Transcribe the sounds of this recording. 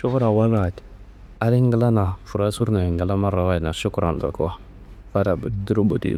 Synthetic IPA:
ʃu˦ku˦ɾa˨wa˦na˨t | a˦ɾi˦ŋ˦ɡə˦la˦na˨fu˨ɾa˦su˦ɾna˨ŋɡə˨la˦ma˦ɾa˨wa˦˨na˨ʃu˦ku˦ɾa˨ndo̰˨ku˦a˦ | fa˦ɾa˨bu˨˦du˦ɾu˦bu˨tḭ˦

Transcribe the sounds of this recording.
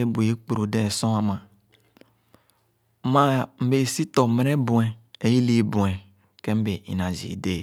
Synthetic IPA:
e˦bu˨i˦k͡pu˨ɾo˨de˦˨sɔ̃˦a˨mã˨˦ | ma˦m̩˦be˨si˦tɔ˨me˨ɾe˦bũ˨ɛ˨e˨ji˦li˦˨bũ˨ɛ̃˨ | kẽ˦m˦be˨ḭ˨nã˨d͡ʒḭ˨de˦˨

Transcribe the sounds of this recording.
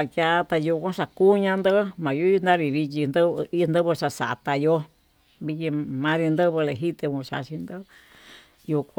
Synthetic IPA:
a˧kja˧t̪a˧ju˧kʷã˦ʂa˧ku˦ɲã˧nd̪ɨ˦mã˨jo˧˦˧nd̪ã˦ɾi˧βi˧t͡ʃi˧nd̪ɨ˦˧i˦˧nd̪ɨ˦βɨ˧ʂa˧sa̰˨t̪a˧jo˦ | βi˧ji˧mã˧ɾi˧nd̪ɨ˦βɨ˧le˨ɦi˦t̪e˧mũ˧ʂa̰˧ʃi˧nd̪ɨ˦˧ | ju˧kʷ

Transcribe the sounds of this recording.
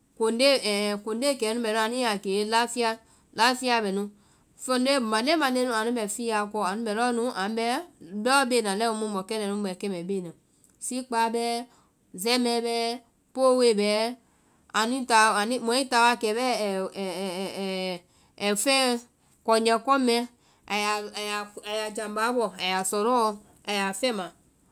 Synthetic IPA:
ko˨n˦de˦˨ɛ˨ko˨n˦de˦˨kɛ˨˦nũ˦bɛ˨˦nũ˦a˨nĩ˦a˨ke˨˦la˦fi˦a˦ | la˦fi˦a˦˨bɛ˨nũ˦ | fɔ˦nde˦˨mã˨dɛ˦mã˨de˦nũ˦˨a˨nũ˦ɛ˨fi˦a˨kɔ˧˨a˨nũ˦bɛ˨lɔ˦nũ˦ʔã˨˦bɛ˦bɔ˦be˦˨nã˨lɛ˦ũ˧˦mũ˦bɔ˨kɛ˦nɛ̃˨nũ˦bɛ˨kɛ˦mɛ̃˨be˦˨nã˨ | si˦k͡pa˨˦bɛ˦ | zɛ˦mɛ̃˧˦bɛ˦ | po˦˨we˦˨bɛ˨˦ | a˨nĩ˦ta˨a˨nĩ˦mɔ̃˨˦ĩ˦ta˨˦wa˦kɛ˨bɛ˦˨ | fɛ̃˦ | kɔ˨ɲɛ̃˨kɔ˦mɛ̃˦ | a˨ja˨ja˨a˨ja˨d͡ʒã˨ba˨˦bɔ˨a˨ja˨sɔ˨ɾɔ˦˧˦ | a˨ja˨fɛ̃˦mã˨

